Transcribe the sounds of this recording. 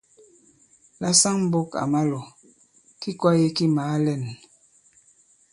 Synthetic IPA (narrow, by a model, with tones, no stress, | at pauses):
la˦sa˦ŋm̩˦bo˦ka̰˨ma˦lɔ˨ | ki˦kwa˦je˦ki˦maː˨˦lɛ˦˨n